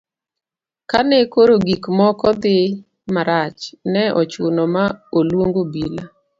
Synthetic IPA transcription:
kanɛkoɾoɡikmɔkɔd̪ɪ | maɾat͡ʃnɛʔɔt͡ʃʊnɔmaolwoŋɡobila

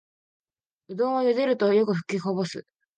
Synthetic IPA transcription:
ɯ̟d̪õːɰ̃ojod̪eɾɯ̟t̪o̞jo̞kɯ̟ɸɯ̟̥kʲːihobo̞sɨ̰

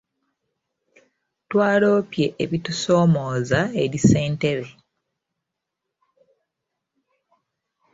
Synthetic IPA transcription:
twaːlo̞ːpje̞ʔːβituso̞ːmoːzae̞ɾise̞ːnte̞βe̞

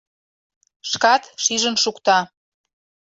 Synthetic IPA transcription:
ʃkɑt̪ʃiʒənʃukt̪ɑ

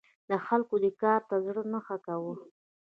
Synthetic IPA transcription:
d̪əxalkod̪əkɑɾt̪azɽənəxakawə

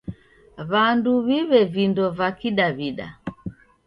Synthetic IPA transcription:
βanduβiβɛvindɔvakiɗaβiɗa̰

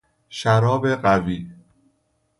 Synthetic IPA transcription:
ʃæɾɒːbe̞ɢæviː

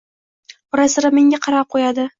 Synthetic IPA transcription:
ʊɾasɪɾameŋʲaqʰɑɾap̚qʰojad̪ɪ

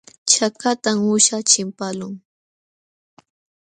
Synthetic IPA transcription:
t͡ʃakat̪amʊʃat͡ʃɪmpalʊŋ

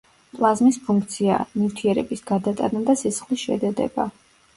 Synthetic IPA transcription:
t̪ʼwazmispʰuŋk̚ʰt̪sʰia̰mift̪ʰiɛɾɛbisɡ̥ad̪at̪ʼa̰nad̪asisχlisʃɛ̰d̪ɛd̪ɛ̰ba

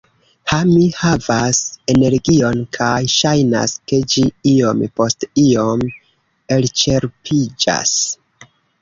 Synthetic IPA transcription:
hamihavase̞ne̞ɾɡio̞nkʰajʃajna̰ske̞d͡ʒiio̞mpo̞stio̞m | e̞lt͡ʃe̞ɾpʰid͡ʒa̰s

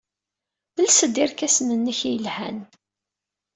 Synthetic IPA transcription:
ðəlsəd̪ɪɾkæsənənːəçijəlhæ̰n

